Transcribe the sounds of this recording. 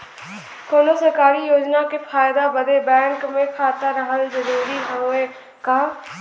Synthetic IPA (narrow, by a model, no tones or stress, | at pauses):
koːnoːsəɾkaːɾijoːd͡ʒnaːkepʰaːjd̪aːbəd̪eːbɛ̃ːŋkmẽkʰaːt̪aɾəɦəld͡ʒəɾuːɾiːɦə̃eː | kaː